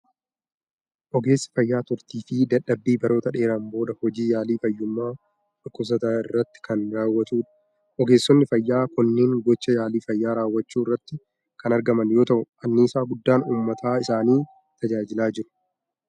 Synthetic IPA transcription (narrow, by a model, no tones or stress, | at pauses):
ʔɔɡe̞ːsːɪ̥fɐjːaːt̪ʊɾt̪iːfɪd̪ɐᶑɐbːiːbɐɾo̞ːt̪ɐᶑe̞ːɾɐmbo̞ːd̪ɐhɔd͡ʒiːjaːliːfɐjːʊmːaː | ᶑʊkːʊs̬ɐt̪aːɪrːɐt̪ːɪ̥kɐnɾaːwːɐt̪uːᶑɐ̥ | ʔɔɡe̞ːsːɔnːɪfɐjːaːkʊnːeːŋɡɔt͡ʃːɐjaːliːfɐjːaːɾaːwːɐt͡ʃːuːɪrːɐt̪ːɪ | kɐnɐɾɡɐmɐnjo̞ːt̪ɐʔʊʔɐnːiːsaːɡʊd̪ːaːnuːmːɐt̪ʰaːɪsaːniː | t̪ɐd͡ʒaːd͡ʒɪlaːd͡ʒɪɾʊ̥